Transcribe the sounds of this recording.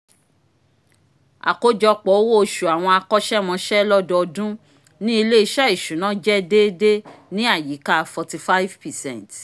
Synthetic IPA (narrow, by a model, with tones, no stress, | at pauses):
a̰˨ko˨˦d͡ʒɔ˧k͡pɔ˨˦wo˦o˧ʃu˨a˨w̃ɔ̃˧a˧kɔ˦ʃɛ˦mɔ̃˧ʃɛ˦lɔ˦dɔ˧ɔ˧dũ˦ | nĩ˦i˧le˦i˧ʃa˦i˨ʃũ˨˦nã˦d͡ʒɛ˦de˦de˦nĩ˦a˦˨ji˨˦ka˦˧fɔ˨ti˧fa˦vpɛ˨sɛ̃˦nt